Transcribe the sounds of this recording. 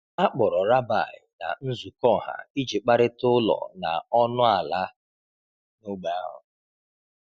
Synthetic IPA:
a˦k͡pɔ˨ɾɔ˨ɾa˦ba̰˨ɪ˨na̰˨n̩˦zu˨kɔ˦˨ɦa̰˨i˦d͡ʒi˨k͡pa˦ɾɪ˦tʊ˦lɔ̰˨na˨ɔ˦nʊ˦a˨la˦ | nʊ˦ɡ͡ba˨a˦ɦʊ̰˨

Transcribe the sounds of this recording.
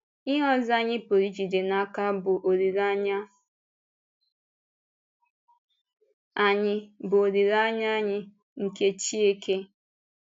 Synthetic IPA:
ɪ˦ɦɔ˦za˦ɲɪ˦po˨ɾi˦d͡ʒi˨de˨na˨ka˦bʊ˨ʔo˨ɾi˨ɾa˦ɲa˦ | a˨ɲɪ˦bʊ˨o˨ɾi˨ɾa˦ɲa˦ɲɪ˦ | ŋ̩˨ke˦t͡ʃi˦e˦kʰe˦

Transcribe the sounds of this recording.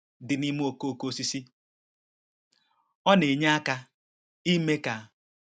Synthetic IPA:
dɪ˨ni˦m˦o˨ko˦o˨ko˦si˦si˦ | ɔ˦ne˨ɲa˦a˦ka˦ | i˦me˦ka˨

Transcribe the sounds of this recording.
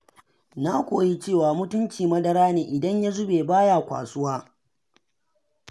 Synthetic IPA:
na˦kʷoː˨ji˦t͡ʃeː˦˨waː˨mʊ˦tʊ˦nt͡ʃiː˨mɐ˦dɐ˦ɾaː˦neː˨ʔɪ˨dɐ˦ɲja˦zʊ˦beː˨baː˦jaː˨kʷa̰ː˨sʊ˦waː˦

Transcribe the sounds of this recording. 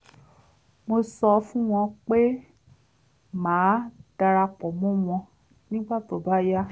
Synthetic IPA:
mo˧sɔ˧fũ˦w̃ɔ̃˧k͡pe˦ | mãː˨˦d̥a˧ɾa˧k͡pɔ˨mɔ̃˦w̃ɔ̃˧ | nĩ˦ɡ͡ba˦˨to˨ba˦ja˦

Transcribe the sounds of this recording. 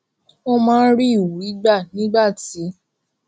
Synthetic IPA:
o˦mãː˦ɾi˦˨wu˨˦i˦ɡ͡ba˦˨nĩ˨˦ɡ͡ba˦˨ti˨˦

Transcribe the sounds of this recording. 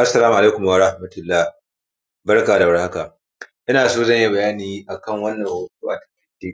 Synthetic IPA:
ʔa˦sːɐ˨aː˦mu˨ʔa˨le˦kʷʊ˨m˨aː˨ɾa˦hmɐ˨tʊ˨lːaː˦˨h | bɐ˦rkaː˨da˨wɐ˦rha˦ka˨ | ʔɪ˦naː˨soː˦zɐ˦˨ɲji˦bɐ˨jaː˦niː˨ʔa˨kɐ˦˨ŋwɐ˦nːɐ˨ho˨tuː˦ʔa˨tɐ̥˨kʲɪ˦de˦

